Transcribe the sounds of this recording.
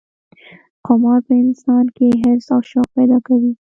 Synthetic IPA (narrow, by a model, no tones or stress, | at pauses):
qomɑɾpəɪnsɑnkeɦɪɾsawʃɑq̚pɛd̪ɑkawi